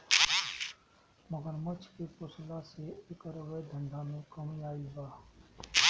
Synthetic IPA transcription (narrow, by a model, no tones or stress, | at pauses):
məɡəɾmət͡ʃʰkepʊslaseɪkəɾəʋed̪ʱə̃ɳɖʱamẽkəmiaːilbaː